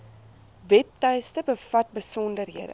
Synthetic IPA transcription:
vɛp̚tɛjstəbəfɐt̚bəsɔndərɦiədə̰

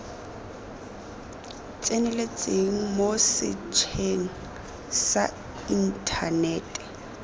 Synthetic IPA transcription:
t͡sʼenɛlet͡sʼeŋ̩mosɪ̰t͡ʃʰeŋ̩ | sa | in̩tʰanɛːtʼɛ̥

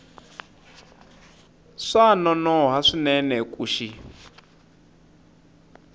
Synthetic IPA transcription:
ʂanɔnɔɦaʂinɛnɛkʼuːʃi

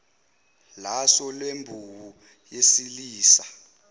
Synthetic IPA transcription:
lasɔlwembʱuwu | jesiliːsa

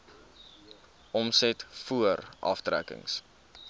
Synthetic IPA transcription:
ʔɔmsɛtfuəɾʔɐ̰ftræ̰kə̰ŋs

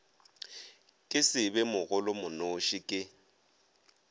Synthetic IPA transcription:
kʼɪsɪbɛmʊɣʊlʊmʊnoʃɪkʼɪ

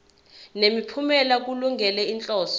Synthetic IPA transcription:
nemipʰumɛlak̬uluŋɡɛlɛint͡ɬʼɔːs

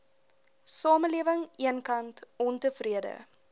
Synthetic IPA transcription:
sɑːməliəvəŋiənkɐntɔntəfriədə̰

